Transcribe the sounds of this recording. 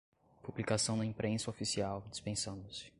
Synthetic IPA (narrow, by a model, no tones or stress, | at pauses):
publikasɐ̃w̃d̪ɐĩpɾʔẽsɐofisiawd͡ʒispẽsɐ̃nd̪ʊsɪ̥